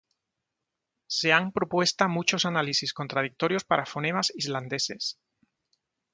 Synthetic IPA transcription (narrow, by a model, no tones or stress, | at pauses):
se̞ampɾopwe̞st̪amut͡ʃo̞sanalisiskont̪ɾað̞ik̚t̪o̞ɾjo̞spaɾʔafoneβasizland̪e̞se̞s